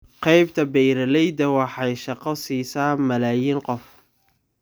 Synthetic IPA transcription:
qɛjbt̪ʰɐbɛjɾɐlɛjd̪ɐwɑħɑjʃɑqɑsiːsaːnmɐlaːjiːŋqɔf

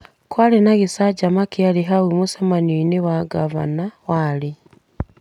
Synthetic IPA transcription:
kwaːlenaɣisaɟamakialiɦawimusamanioinewaɡaβa̰nawaːli

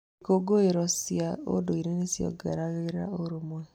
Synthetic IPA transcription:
ikoɡoeɾɔsjao̰doiɾenesjɔ̰ɡɛ̰ɾaɣeɾɾa̰oɾomwɛ

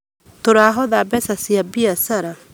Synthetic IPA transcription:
t̪oɾaːɦɔðabɛsasiabiasaɾa

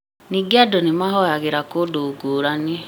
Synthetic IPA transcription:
niɡeadonemaɦɔjaɣeɾakodoɡoːɾane

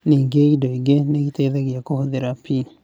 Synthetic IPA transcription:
niːŋɡeɣidoiɡeneɣiteːðeɣijakohoðeɾapi

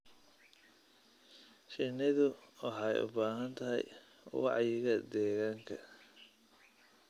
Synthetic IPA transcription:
ʃɪnːɪðʊwɑħɑjʔʊ̰baːɦɐnt̪ʰɐɦɛ̰j | wɑ̰ʕjɪɣɐd̪ɛːɣaːŋkʰɐ

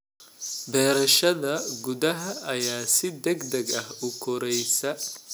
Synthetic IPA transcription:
bɛːɾɐʃɐðɐɡʊd̪ɐɦɐʔːjaːsɪd̪ɛɡd̪ɐɡɐhʊkʰɔɾɛjsɐ

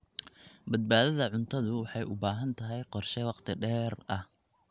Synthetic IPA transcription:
bɐd̪̚baːðɐðɐʕʊnt̪ʰɐðʊwɑħɑjʔʊbaːɦɐnt̪ʰɐɦɛjqɔrʃɛwɑqt̪ʰɪɖɛːrɐh

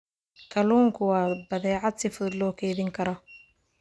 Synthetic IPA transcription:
kʰɐluːŋkʰʊwɑːbɐðɛːʕɑd̪sɪfʊðd̪lɔːkʰɛːðɪŋkʰɐɾɔ

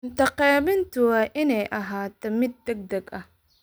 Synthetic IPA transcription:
ɪnt̪ɐqɛːβɪnt̪ʰʊwaːʔɪnɛjʔɐɦaːt̪ʰɔmɪd̪̚ːɛɡ̚d̪ɐɡɐh

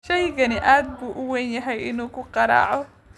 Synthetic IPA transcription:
ʃɛjɡɐnɪʔaːd̪̚buːʔʊwɛːnjɐɦɛjɪnuːkʊqɑɾɑ̰ːʕɔ

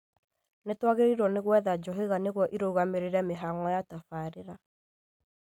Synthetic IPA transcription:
netwaɣeɾiɾɔneɣwɛðad͡ʒɔɦeɣaneɣwɔʔiɾouɣameɾeɾɛmeɦaŋɔjatafaːɾeɾa

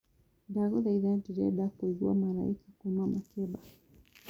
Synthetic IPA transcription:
daɣɔðaiðantiɾɛɗakuiɡṵa̰mala̰ikakumamakɛɓa

